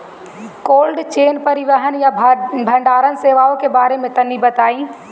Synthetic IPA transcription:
koːlɖt͡ʃeːnpəɾɪʋəɦənjabʱə̃ɳɖaːɾənseːʋaːõkebaːɾemẽt̪ɐnːibɐt̪aːĩː

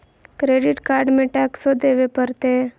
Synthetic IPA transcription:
kɾeːɖɪʈkaːɾɖmẽʈɛːksod̪eːʋepəɾt̪eɦ

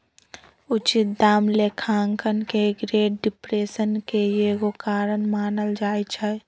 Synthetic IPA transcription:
ʊt͡ʃɪt̪̚d̪aːmlekʰaːŋkənkeɡɾeːʈ̚ɖɪpɾeːsənkejeɡokaːɾənmaːnəld͡ʒaːjt͡ʃʰɛ

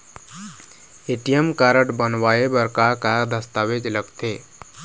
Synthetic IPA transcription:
eʈijəmkaɾəʈbənwaebəɾkakad̪əst̪awed͡ʒləɡt̪e

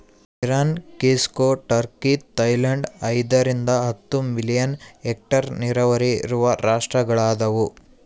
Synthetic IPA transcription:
iɾaːnkiːskoːʈɐɾkit̪ɐjlɐɳɖɐjd̪ɐɾind̪ɐɦɐt̪ːumilijɐneːk̚ʈɐɾniɾɐʋɐɾḭɾuʋɐɾaːʂʈɾɐɡɐɭaːd̪ɐʋu

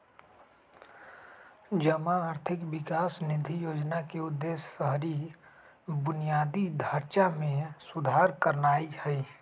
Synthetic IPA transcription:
d͡ʒəmãaːɾt̪ʰɪkʋɪkaːsnɪd̪ʱijoːd͡ʒnakeʊd̪ːeːssəɦɾi | bʊnijaːd̪id̪ʱəɾt͡ʃamẽsʊd̪ʱaːɾkəɾnaːihɛi

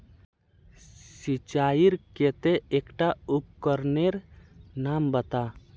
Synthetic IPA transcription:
sit͡ʃaiɾket̪eeːkʈaup̚kəɾneɾnambət̪a

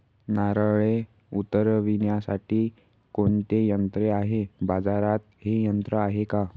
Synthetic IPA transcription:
naɾəɭe | ut̪ːəɾʋinjasaʈiː | koɳt̪ejənt̪ɾeaɦebad͡zaɾat̪ɦejənt̪ɾəaɦeka

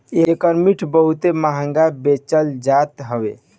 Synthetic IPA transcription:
eɾekəɾmiʈʰbəɦut̪emaɦəŋɡabet͡ʃəld͡ʒat̪ɦəbḛ

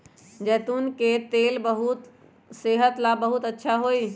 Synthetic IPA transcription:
d͡ʒɛːt̪unket̪elbəɦut̪ | seɦət̪labəɦut̪ətːʃʰaɦoj

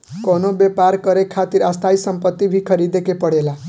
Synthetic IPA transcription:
konobjepaɾkʌɾekʰat̪iɾast̪ʰaisəmpət̪ːibʱikʰəɾid̪ekepəɽela

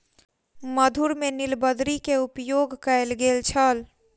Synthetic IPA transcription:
məd̪ʱuɾmenilbəd̪ɾikeupjoɡkəelɡelt͡ʃʰəl

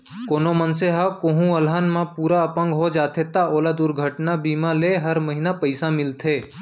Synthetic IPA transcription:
koːnomənseɦakoɦũəlɦaːnmãpuːɾaəpə̃ŋɡɦod͡ʒaːt̪ʰet̪aoːlad̪ʊɾɡʱəʈnabiːmãleɦɐɾməɦinapəɪsãmɪlt̪ʰeː

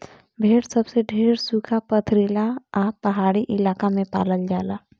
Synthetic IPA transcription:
bʱeːɽsɐbseɖʱeːɾsuːkʰapət̪ʰɾilaaːpɐɦaːɽiʔɪlaːkamẽpa̰ːləld͡ʒaːlaː

